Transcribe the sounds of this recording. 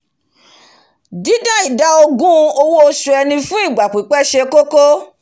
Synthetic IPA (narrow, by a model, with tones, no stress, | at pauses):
di˨˦dã˦i˦˨da˨˦o˧ɡũ˦˧o˧wo˦o˧su˧˦ɛ˧nĩ˧fũ˦i˦˨ɡ͡ba˨k͡pi˨˦k͡pɛ˦ʃe˧ko˦ko˦